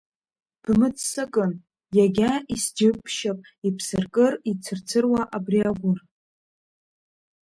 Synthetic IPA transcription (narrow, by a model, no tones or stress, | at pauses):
b̥mɨt͡sʰʼsakʼɨn | jaɡʲaisd͡ʒɪpʰʃapʼ | ipʰsɨrkʼɨrit͡sʰɨrt͡sʰɨrwaʔabriaɡʷʊr